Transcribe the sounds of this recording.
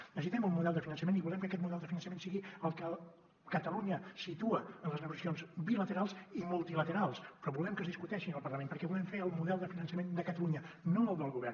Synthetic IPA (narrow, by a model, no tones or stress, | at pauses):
nəsit̪ɛmulˠmuðɛlˠd̪əfinənsəmeniβulɛmkəkɛt̪muðɛlˠd̪əfinənsəmensiɣiəlˠkə | kət̪əluɲəsit̪uəənləznəɣusəsionzbilət̪əɾalˠsimulˠt̪ilət̪əɾalˠspɾɔβulɛmkəzðiskut̪ɛʃinəlˠpərləmenpəɾkɛβulɛmfeəlˠmuðɛlˠd̪əfinənsəmend̪əkət̪əluɲə | noəlˠd̪əlˠɣuβɛr